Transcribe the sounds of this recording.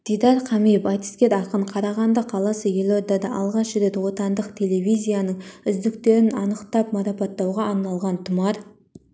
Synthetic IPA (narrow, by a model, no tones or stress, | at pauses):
d̪̥ijd̪ɑɾqʰɑmijpɑt̪i̥st̪kʲe̞ɾɑqəɴqʰɑɾɑʁɑnd̪əqʰɑlˠɑsəje̞lʲo̞d̪ɑd̪ɑʔɑlˠʁɑʃʒɪɾe̞t̪wo̞t̪ɑnd̪əqt̪ʲʰe̞le̞vʲijzʲijanəɴʏzd̪ɪkt̪e̞ɾɪnɑnəqt̪ɑpmɑɾɑpɑt̪ːɑwʁɑːɾnɑlˠʁɑnt̪ʰʊmɑɾ